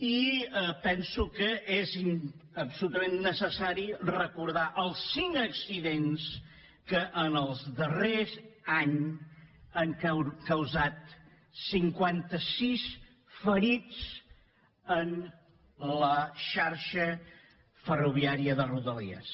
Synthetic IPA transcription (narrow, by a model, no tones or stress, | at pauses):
iəpɛnsukəeziəpsulut̪əmenːəsəsaɾirəkuɾð̞aʔəlˠsːiŋəksiðens | kəʔənəlˠzðərezaɲ | əŋkkəwzat̪ | siŋkwant̪əsis | fəɾit͡s | ən | ləʃaɾʃə | fəruβ̞iaɾiəðəruðəlḭə̰s